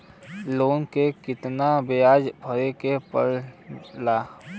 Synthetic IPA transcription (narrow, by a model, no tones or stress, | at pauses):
loːnkekɪt̪nabejaːd͡ʒbʱəɾekepə̰ɾlaː